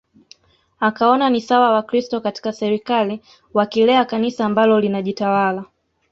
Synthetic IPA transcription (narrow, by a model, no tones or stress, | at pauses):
akaɔnanisawawakɾistɔkati̥kasɛɾikali | wakilɛakanisaːmbalɔlinaʄitawala